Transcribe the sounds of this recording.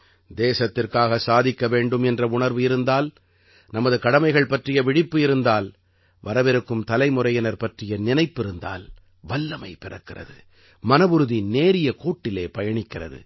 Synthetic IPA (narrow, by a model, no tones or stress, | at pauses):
d̪eːsɐt̪ːɪrkaːɣɐsaːðɪkːɐʋeːɳɖɯmɛndrɐʊɳɐɾʋɯɪɾɯnd̪aːl | nɐmɐðɯkɐɽɐmɐɪɣɐɭpɐʈrɪjɐʋɪɽɪpːɯɪɾɯnd̪aːl | ʋɐɾɐʋɛɾɯkːɯmt̪ɐlɐɪmʊrɐjɐnɐɾpɐʈrɪjɐnɪnɐɪpːɪɾɯnd̪a̰ːl | ʋɐlːɐmɐɪpɪrɐ̰kːɪrɐ̰ðɯ̰ | mɐnɐʋɯɾɯðineːɾɪjɐkuːʈːɪleːpɐjɐɳɪkːɪrɐ̰ðɯ̰